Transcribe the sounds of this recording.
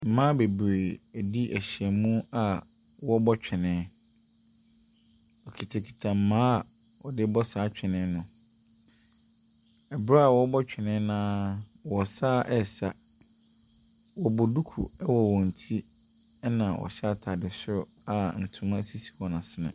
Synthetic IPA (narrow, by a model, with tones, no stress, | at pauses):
m̩˨mã˦be˨bɾe˨æ˨di˦ʔæ˨ɕi˨ɛ˨mũ˦a˨ | wɔ˦bɔ˦t͡ɕᶣʰɪ˨nɪ̃˨˦ | ɔ˨kʰi˨tʰa˨kʰi̥˨tʰã˨m̩˨˦mãː˦a˨ | wɔ˨dɪ˦bɔ˦saː˨˦t͡ɕᶣɪ˨nɪ̃˦nʊ̃˨ | ɛ˨bɾa˦a˨wɔ˦bɔ˦t͡ɕᶣʰɪ˨nɪ̃˦nãː˦wɔ˨saː˦ʔɛ˦˨sa˦ | wɔ˨bʊ˨du˦kʰṵ˨ɛ˦wɔ˨wɔ̃˨n̩˨tʰi˦ | nã˨wɔ̰˨ɕa˦˨tʰa˨dɪ˨sɪ˦ɾʊ˨ | a˨n̩˨tʰũ˨mã˦si˦si̥˨wɔ˨nã˨sɪ˦nã̰˨